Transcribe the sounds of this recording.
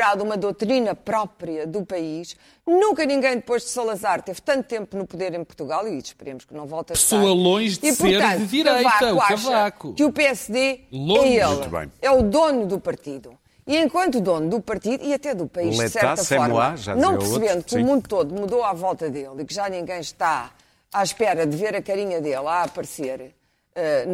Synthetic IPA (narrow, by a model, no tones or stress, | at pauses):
ɾaðumɐðowt̪ɾinɐpɾɔpɾijɐðupɐiʃ | nũŋkɐnĩŋɡɐ̃j̃d̪ɨpojʒd̪sɐlˠɐzaɾt̪ev̥t̪ɐ̃nt̪ut̪ẽmpunupuðeɾẽj̃puɾt̪uɣalˠiʃpɨɾemʊʃknɐ̃w̃vɔlˠt̪ɐpsoɐlˠõj̃ʒd̪ipsuɾeɾɐ̃ðɨðiɾɐjvakɐaɐʃvakukɨupeɛsðelˠõɛeũlˠt̪βɐ̰̃j̃ɛuðonuðupɐɾt̪iðu | iẽkwɐ̃nt̪uðonud̪upɐɾt̪iðuiɐt̪ɛðupɐiʒðɛsɛɾat̪ɐsɛɔɾmlˠa̰ʒa̰nɐ̃w̃pɾsβẽnd̪ukũmũnd̪ut̪oðumuðoavɔlˠt̪ɐðelˠikʒanĩŋɡɐ̃j̃ʃt̪a | aʃpɛɾɐðɨveɾɐkɐɾiɲɐðelˠapɐɾseɾ | ɛ